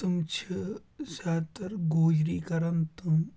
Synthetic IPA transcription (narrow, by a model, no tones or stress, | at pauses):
t̪umt͡ʃʰi | saːt̪ɐɾɡoːd͡ʒɾiːkɐɾɐnt̪um